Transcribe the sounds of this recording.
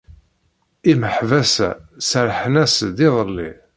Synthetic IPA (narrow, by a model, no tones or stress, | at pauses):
iməħvæsæ̰səɾħənæsd̪iðˤəlːḭ